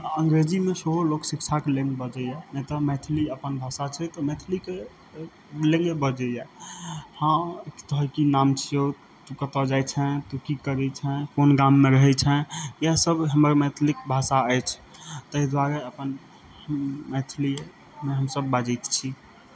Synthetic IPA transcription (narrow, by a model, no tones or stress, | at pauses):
əŋɡɾed͡ʒimesəboloksik̚t͡ʃʰakelẽŋɡbəd͡ʒɛjamɛt̪əmɛt̪ʰliəpənbʱasat͡ʃʰɛt̪ɔmɛt̪ʰlike | lẽŋɡebəd͡ʒɛjɛ | hḁ̃t̪əɦkinamt͡ʃʰio | t̪ukət̪ɔd͡ʒajt͡ʃʰɛt̪ukikəɾɛt͡ʃʰɛ̃pʰonɡamːeɾəɦɛt͡ʃʰɛjasəbɦəməɾmɛt̪ʰlikbʱasaəjt͡ʃʰt̪əɦid̪waɾəəpən | mɛt̪ʰli | meɦəmsəbːad͡ʒɛjt̪t͡ʃʰi